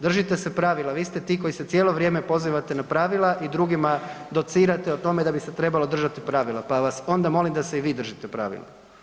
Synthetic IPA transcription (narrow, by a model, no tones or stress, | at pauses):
d̪r̩ʒit̪e̞sepɾaʋilˠaʋiːst̪e̞t̪iːko̞jise̞t̪sje̞ːlˠo̞ʋɾje̞ːme̞po̞ziːʋat̪e̞napɾaːʋilˠaʔid̪ɾuɡimad̪o̞t̪siːɾat̪eot̪o̞me̞d̪abiset̪ɾe̞balˠo̞d̪r̩ʒat̪ipɾaːʋilapaʋaso̞nd̪amo̞limd̪ase̞iʋiːd̪r̩ʒit̪epɾa̰ːʋḭla̰